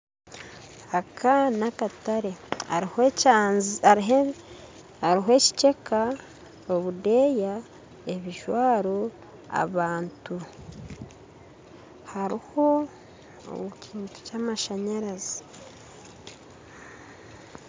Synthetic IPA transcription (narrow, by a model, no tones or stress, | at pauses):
akʰanakataɾe̞ah | aɦe | aɾiɦoe̞ci̥ce̞ka | oβude̞ja | eβiʒwaːɾo | a̰βaːntu | haɾiho̞ | o̰βucʰiːnto̥caːmaʃaɲaɾazi